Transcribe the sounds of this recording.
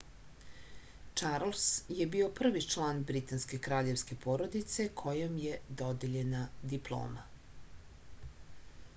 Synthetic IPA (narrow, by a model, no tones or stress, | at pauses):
t͡ʂaɾlsjebio̞pr̩ʋit͡ʂlˠaːnbɾit̪anske̞kɾaːʎe̞ʋske̞poːɾo̞d̪it̪se̞kʰo̞jomjed̪od̪eʎe̞nad̪iplˠo̰ːma